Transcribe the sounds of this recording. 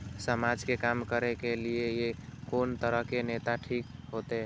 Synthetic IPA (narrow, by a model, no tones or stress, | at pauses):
səmad͡ʒkekamkəɾekeliejekont̪əɾəɦkenet̪aʈʰikɦot̪eɦ